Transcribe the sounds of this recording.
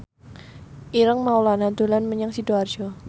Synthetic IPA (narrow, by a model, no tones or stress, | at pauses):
ʔiɾəŋmaulanad̪̥o̤lanməɲaŋsid̥oard͡ʒ̥ɔ